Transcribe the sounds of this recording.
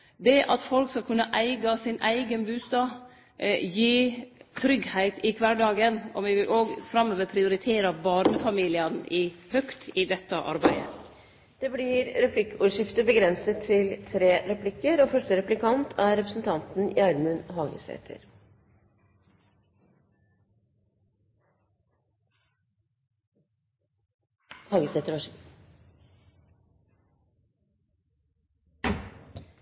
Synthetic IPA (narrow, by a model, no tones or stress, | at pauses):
d̪ɛʔɑt̪fɔlkskɑlkʰʉnːəʔæɪɡɑsɪnʔæɪɡənbʉːst̪ɑː | jiːt̪ʰɾʏɡhæɪt̪ɪkʰʋɑɖɑːɡənɔmʋɪʋɪlʔoːɡfɾɑmːøːʋəpʰɾɪʊɾɪt̪ʰeːɾɑbɑːɾnəfɑmiːlɪənɪhœkt̪ɪd̪ɛt̪ːəʔɑ̰ɾbæɪd̪ə | d̪̥ɛblɪɾɾɛpʰlɪkːuːɾʂɪft̪əbəɡɾɛnsət̪ʰːɪlt̪ʰɾeːɾɛpʰlɪkːəɾoːfœʂʈəɾɛplɪkʰɑnt̪ʰæːɾɾɛpɾəsn̩t̪ʰɑnt̪n̩jæːɾmʉnɦɑːɡə̰sḛːt̪ʰə̰ɾ | hɑːɡəset̪əɾɑ